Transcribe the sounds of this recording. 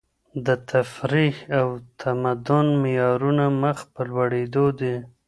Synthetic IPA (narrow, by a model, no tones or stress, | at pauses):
d̪ət̪ʰafɾihawt̪ʰamad̪ʊnmɪjɑɾunaməxpəlwaɽed̪od̪e